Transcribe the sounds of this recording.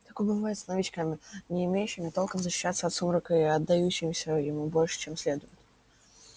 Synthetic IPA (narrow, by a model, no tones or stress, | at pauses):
t̪akojbɨvajɪt̪snɐvʲɪt͡ɕkamʲɪnʲɪːmʲejʉɕːɪmʲɪt̪o̞lˠkəmzəɕːɪ̥ɕːat̪sːəɐt̪sumɾəkɨɐd̪ːɐjuɕːɪmʲɪsʲəjɪmubo̞lʲʂɨ̥t͡ɕemsʲlʲe̞d̪ʊjʊt̪ʲ